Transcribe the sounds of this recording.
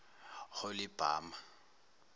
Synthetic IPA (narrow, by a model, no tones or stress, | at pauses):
χʊlɪb̥ʱa̰ːma